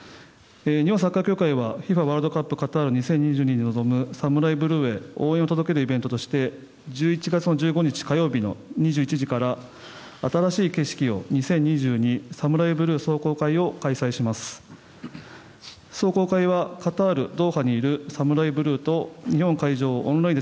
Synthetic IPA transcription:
eɲihõ̞s̬akːakʲo̞ːkaiβaɸʲiɸaβaːɾɯd̪o̞kapːɯ̟kat̪aːɾɯ̟ɲ̟isẽ̞ɲ̟ɲːiʑɨ̟ːɲ̟iɲ̟ino̞zo̞mɯ̟samɯ̟ɾaibɯ̟ɾɯ̟ːe̞o̞ːẽ̞o̞t̪o̞d̪o̞ke̞ɾɯ̟ibe̞nt̪o̞t̪o̞ɕi̥t̪e̞ | d͡ʑɨːit͡ɕiɡat͡sɨno̞ʑɨːɡo̞ɲ̟it͡ɕi̥kajo̞ːbʲino̞̰ɲ̟iʑɨːit͡ɕiʑikaɾaː | t̪aɾaɕiːke̞ɕi̥kʲio̞̰ɲ̟isẽ̞ɲ̟ɲːiʑɨːɲ̟isamɯ̟ɾaibɯ̟ɾɯ̟ːso̞ːko̞ːkaio̞kaisaiɕimasɨ̥ | so̞ːko̞ːkaiβ̞akat̪aːɾɯ̟d̪o̞ːhaɲ̟iːɾɯ̟samɯ̟ɾaibɯ̟ɾɯ̟ːt̪o̞ɲ̟ihõ̞ŋkaiʑo̞ːõnɾaĩd̪

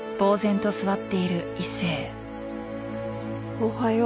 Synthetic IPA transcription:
b̥o̞ːzẽ̞nt̪o̞sɨβat̪ːe̞iɾɯ̟isːe̞ː | hohaj

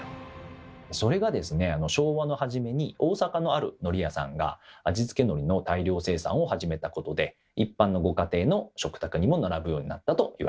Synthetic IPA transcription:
so̞ɾe̞ɡad̪e̞sɨne̞ano̞ɕo̞ːβano̞haʑime̞ɲ̟io̞ːsakano̞aɾɯ̟̰no̞ɾʲijasã̰ŋɡa̰ad͡ʑizɨ̥ke̞no̞ɾʲino̞t̪aiɾʲo̞ːse̞ːsã̰ɰ̃o̞haʑime̞t̪ako̞t̪o̞d̪e̞ | ipːãnːo̞ɡo̞kat̪e̞ːno̞ɕo̞kɯ̟̥t̪akɯ̟ɲ̟imo̞naɾabɯ̟jo̞ːɲ̟ina̰t̪ːat̪o̞jḭβa

